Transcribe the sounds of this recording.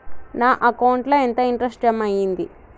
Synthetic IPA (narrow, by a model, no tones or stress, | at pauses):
naːʔɐkɐwuɳʈloːent̪ɐiɳʈɾɐsʈɐmɐjind̪i